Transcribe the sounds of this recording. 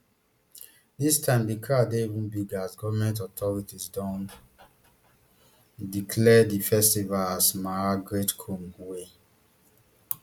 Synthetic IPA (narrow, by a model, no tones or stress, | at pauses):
distʰãɪ̃mdikʰadeivũnbiɡasɡɔvamɛ̃nt̬ɔtʰɔɹitisdɔ̃n | dikʰlɛdifɛstivalasmaaɡɹetkʰõmwe